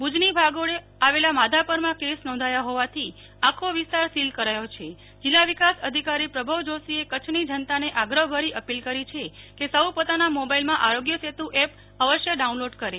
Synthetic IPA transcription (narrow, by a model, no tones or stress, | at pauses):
bud͡ʒnibʱaɡoe | aʋelamad̪ʱapəɾmãkesnɔ̃nd̪ʱajaɦɔʋat̪ʰi | akʰoʋist̪aɾsilkəɾajot͡ʃʰe | d͡ʒilːaʋikasəd̪ʱikaɾipɾəbʱəʋd͡ʒosiekət͡ʃʰnid͡ʒənt̪aneʔaɡɾəɦbʱəɾiʔəpilkəɾit͡ʃʰekesəwpot̪anamobailmãʔaɾoɡjəset̪ũʔɛp | əʋəʃjəɖaunloɖkəɾe